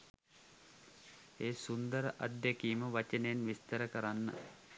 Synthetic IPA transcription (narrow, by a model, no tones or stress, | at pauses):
eːsund̪əɾəʔad̪jekiːməʋat͡ʃənenʋist̪ɐɾəkəɾanːɐ̰